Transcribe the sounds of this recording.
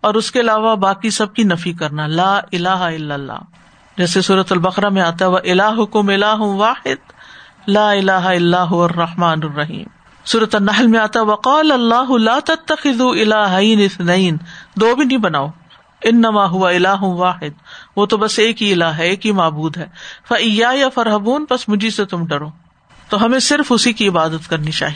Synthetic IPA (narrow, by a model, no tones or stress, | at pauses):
ɔːɾʊskeɐlaːʋabaːkisɐb̚kinɐfikɐɾnalaːʔɪlaːɦaɪlːɐlːa̰ː | d͡ʒɛːsesuːɾət̪ɐlbɐqɾamẽaːt̪aɦɛʋɐʔɪlaːɦʊkʊmɪlaːɦʊʋaːħɪd̪̚ | laːɪlaːɦaɪlːaːɦʊʋɐrːɑħmaːnɐrːɐɦḭːm | suːɾət̪ɐnːɐɦlmẽaːt̪aɦɛʋɐqɑːlɐlˤːaːɦʊlaːt̪ɐt̪ːɐxɪðuːɪlaːɦajnɪθneːnd̪oːbʱinɐĩbɐnaːo | ɪnːɐmaːɦʊʋaɪlaːɦʊʋaːħɪd̪̚ʋoːt̪obɐseːkɦiɪlaːɦɦɛeːkɦimaːbuːd̪ɦɛːfɐɪjaːjɐfɐɾɦɐbuːnpɐsmʊd͡ʒʱiset̪ʊmɖɐɾoː | t̪oɦɐmẽsɪɾfʊsikiɪbaːd̪ət̪kɐɾnit͡ʃa̰ːɦi